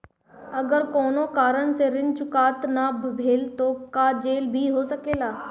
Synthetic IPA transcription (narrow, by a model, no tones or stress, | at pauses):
ɐɡəɾkɔːnõkaːɾənseɾɪnt͡ʃʊkaːt̪nabʱɐbʱeːlt̪okad͡ʒeːlbʱiɦoːsɐkeːlaː